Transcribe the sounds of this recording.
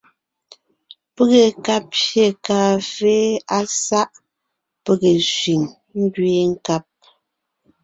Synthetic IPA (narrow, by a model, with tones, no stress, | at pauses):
pə˦ɣe˨ka˦p̚ʃje˨kaː˨feː˦a˦sa˦ʔ | pə˦˨ɣe˨sɥi˨ŋ | ŋ˦ɡɥe˦ŋ̩˦ka˦p̚